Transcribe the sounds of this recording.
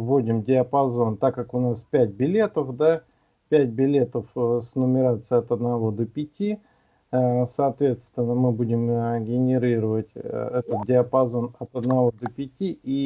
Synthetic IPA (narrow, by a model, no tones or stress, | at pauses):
vːodʲɪmdʲɪəpɐzo̞nt̪akːakʊnaspʲæt̚ʲbʲɪlʲe̞t̪əfd̪a | pʲæt̚ʲbʲɪlʲe̞t̪əfsnəmʲɪɾat̪sɨjɐt̪əd̪nɐvo̞d̪əpʲɪtʲi | sɐːt̪vʲe̞t̪st̪vʲɪnːəmɨbudʲɪmɡʲɪnʲɪɾʲiɾəvətʲɛt̪ət̪̚dʲɪəpɐzo̞nɐt̪əd̪nɐvo̞d̪əpʲɪtʲii